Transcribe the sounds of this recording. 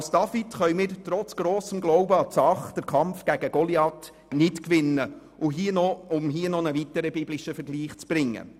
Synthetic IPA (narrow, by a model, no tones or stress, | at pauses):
sd̥ɑfitχœʏmɪːɾtɾɔt͡sɡ̥ɾoːsəmɡlɔʊbəɑt͡sɑχd̥əɾkʰɑmfɡ̥æɡ̥əɡ̥ɔliɑt | nɪtkʋɪnːə | uɦiːənɔʊmɦiːənɔnəvitəɾəbiblɪʃəfəɾɡliːχt͡sb̥ɾɪŋːə̰